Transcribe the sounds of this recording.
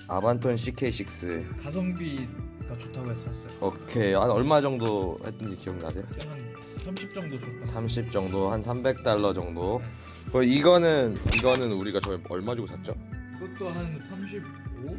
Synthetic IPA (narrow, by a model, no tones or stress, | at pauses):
a̰bantʰonɕ̬ʰikʰeɕʰik̚s͈ɯkasʰʌŋbiɡat͡ɕotʰaɡoes͈ʌs͈ʌjoʌkʰe̞hanʌɭmad͡ʑʌŋdohḛɭt͈ɯnd͡ʑikioɡina̰sʰejoɦan | sʰamɕʰip̚t͡ɕ͈ʌŋdosʰut͈asʰamɕ̬ʰip̚t͡ɕ͈ʌŋdohansʰambe̞k̚t͈aɭːʌd͡ʑʌŋdo | kɯiɡʌnɯniɡʌnɯnuɾiɡat͡ɕʌeʌɭmad͡ʑuɡosʰat̚t͡ɕ͈oiɡʌt͈oɦansʰamɕʰib | o